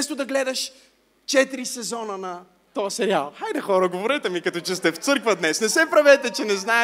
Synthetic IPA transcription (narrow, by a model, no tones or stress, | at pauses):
ɛst̪ʊd̪ɐɡlɛd̪ɐʃ | t͡ʃɛt̪iɾisɛzɔnənɐ | t̪ɔɐsɛɾialˠxajd̪ɐxɔɾəɡovoɾɛt̪ɛmikɐt̪ɔt͡ʃɛst̪ɛft̪sɤɾkvəd̪nɛsnɛsɛpɾɐvɛt̪ɛt͡ʃɛnɛznaɛ